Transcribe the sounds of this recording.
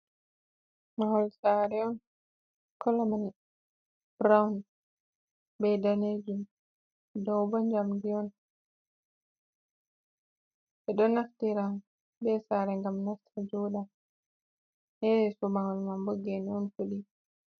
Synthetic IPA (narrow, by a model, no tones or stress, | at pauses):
maŋɔlsaɾɛɔn | kʰɔlaman | b̥ɾawn | bɛdaned͡ʒum | dɔwbɔɲd͡ʒamdiɔn | ɓɛɗɔnaftiɾan | ɓɛsaɾɛŋɡamnaftʰad͡ʒɔɗa | hɛsɔmaŋɔlmamboɡɛniɔnfoɗi